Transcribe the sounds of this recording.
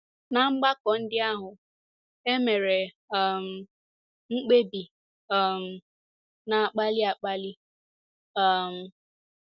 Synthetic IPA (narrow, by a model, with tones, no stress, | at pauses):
na˨ŋ͡m̩˦ɡ͡ba˦kɔ˨n̩˦dɪ˦a˦ɦʊ˨ | e˦me˨ɾe˨ | m̩˨ | ŋ͡m̩˦k͡pe˦bi˨ | m̩˨ | na˨a˨k͡pa˦lɪ˦a˨k͡pa˦lɪ˦ | ɔ˨m̩˨